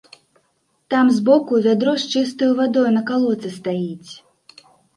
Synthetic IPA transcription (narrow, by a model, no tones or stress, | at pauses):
t̪amzbɔkuvʲad̪ɾɔʂt͡ʂɨst̪ɨjuvad̪ɔjunɐkalˠɔt̪sɨst̪ajit͡sʲ